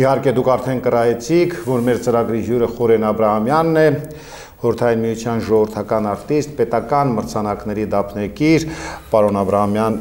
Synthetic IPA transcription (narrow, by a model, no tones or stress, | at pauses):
ihɑɾkɛd̪ukʰɑɾt̪ʰɛnkərɑjɛt͡sʰikʰvɔɾmɛɾt͡səɾɑɡɾiɦjuɾəχɔɾɛnɑbɾɑɦɑmjɑnːɛ | χɔɾəɾt̪ʰɑjinmijut͡sʰjɑnʒɔvəɾt̪ʰɑkɑnɑɾt̪ist̪̚pɛt̪ɑkɑnməɾt͡sʰɑnɑknɛɾid̪ɑpʰnɛkiɾpɑɾɔnɑbɾɑɦɑmjɑn